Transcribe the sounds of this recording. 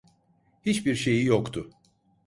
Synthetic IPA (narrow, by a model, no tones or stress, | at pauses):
hit͡ʃbiɾʃe̞jijokt̪ʰʊ